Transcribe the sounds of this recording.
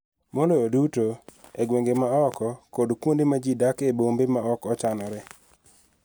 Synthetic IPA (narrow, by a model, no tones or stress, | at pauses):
molojodutoeɡweŋɡemaɔkɔkodkwondimad͡ʒidakebombemaɔkɔt͡ʃanɔɾɛ